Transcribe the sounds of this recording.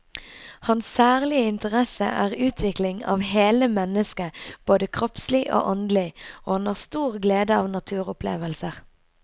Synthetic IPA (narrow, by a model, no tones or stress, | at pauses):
hɑnsːæːʁlɪəɪnt̪əʁɛsə̰ʔæ̰ːʁʉːt̪ʰʋɪklɪŋɑ̰ːʋɦeːləmɛnəskəb̥oːd̪əkʰʁɔpslɪʔo̰ːʔɔnd̪lɪoːhɑnæːʁst̪uːʁɡleːd̪əɑːʋnɑt̪ʰʉːʁʊpʰlḛːʋəlsəʁ